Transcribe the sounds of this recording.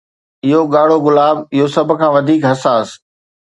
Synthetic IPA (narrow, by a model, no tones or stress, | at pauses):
ɪɦoɠaːɽ̤oɣʊlaːbɪɦosɐb̆ʱkʰãːʋɐd̪ʱiːkɦɐsaːs